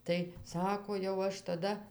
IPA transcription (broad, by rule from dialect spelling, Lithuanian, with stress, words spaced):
tɐɪ ˈsɑːkoː jɛʊ ˈɐʃ tɐˈdɐ